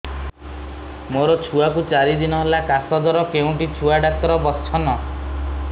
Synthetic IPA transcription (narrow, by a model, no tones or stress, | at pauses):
moɾɔt͡ʃʰuakut͡ʃaɾid̪inɔɦlakasɔd̪ɔɾɔkeũʈit͡ʃʰuaɖak̚t̪ɔɾɔbɔt͡ʃʰɔnɔ